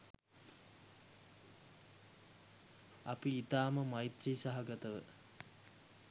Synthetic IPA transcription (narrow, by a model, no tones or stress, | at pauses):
ɐpiit̪aːməmajt̪riːsaɦaɡɐt̪əʋə̰